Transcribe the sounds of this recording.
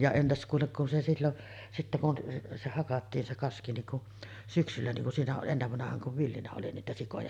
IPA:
jɑ entæs kuːlek kun se silːon sitːæ kun se hɑkɑtːiːn se kɑski niŋ kuʔ syksylːæ niŋ kun siːnæ oʔ ʔenːeʋːɑnɑhɑːŋ kuʋ ʋilːinæ oli niːtæ sikojɑ

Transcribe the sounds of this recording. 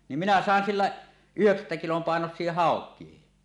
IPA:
nim minæ sɑˑen silːæ yheksætːæ kilom pɑˑenosˑie hɑˑokˑiehi

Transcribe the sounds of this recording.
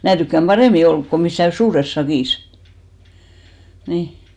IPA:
mæː tykːæm b̥ɑreˑmi olk ko misːæˑ suːres sɑkiˑs niˑ

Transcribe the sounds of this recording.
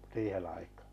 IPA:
siːhen̞̆ ɑikɑː

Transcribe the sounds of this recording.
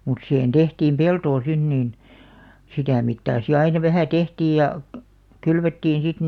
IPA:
mut sihen tehtiːm peltoː sin niːn sitæ mitːɑː si ɑinɑ ʋæhæˑ tehtiːj jɑ kylʋetːiːn̞ sit

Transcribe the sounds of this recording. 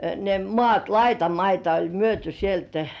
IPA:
ne mŏɑˑt lɑitɑmɑitɑ olʲ myøty sieltæ̥

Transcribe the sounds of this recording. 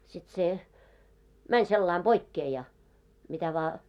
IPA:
sit se mænʲ selːɑim b̥oikːeː jɑ mitæ ʋɑː

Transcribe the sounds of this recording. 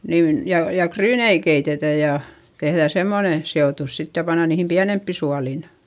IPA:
niːn jɑ jɑ kryːnei keitetæ jɑ tehðæˑ semːone seoˑtus sit jɑ pɑnːɑ niːhim piænempːi suɑliˑn

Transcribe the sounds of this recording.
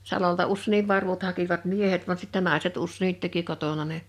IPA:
sɑloltɑ usːeˑniʋ ʋɑrʋut hɑkiʋɑt miehet ʋɑn sitːɛ nɑˑeset usːeˑnit teki kotonɑ ne

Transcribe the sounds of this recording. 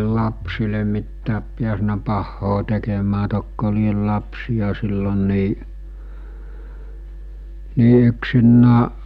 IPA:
lɑpsile mitːæːp piæsnæ pɑhːoː tekemæː tokːo liel lɑpsij̆ɑ silːon niː niː yksinːæː

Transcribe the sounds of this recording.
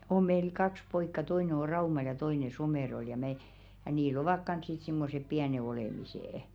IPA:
om̆ meil kɑks poikːɑ toine o rɑumɑl jɑ toine someˑrol jɑ me jɑ niːl oʋɑk kɑns sit simːosep piæne oleˑmiseˑĕ

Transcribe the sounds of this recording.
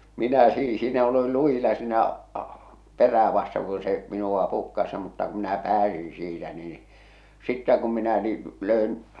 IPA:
minæ siː siːnæ olil luj̆ilɑ siːnæʔ ɑ̥ peræː ʋɑsteŋ ku se minuʋ̆ɑ pukːɑs mutːɑ ku minæ pæːsĩː siːtæ niː sitːæ kum minæ niː løˑen

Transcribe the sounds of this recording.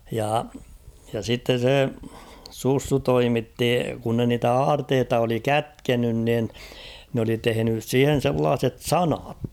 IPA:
jɑˑ jɑ sitːen̞ se susːu toimitːi kun ne niːtæ ɑːrteːtɑ oli kætkenyn nin n oli tehenys siːhen̞ selːɑːset sɑnɑt

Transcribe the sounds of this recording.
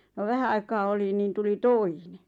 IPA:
no ʋæhæ ɑikɑː oli niːn tuli toine

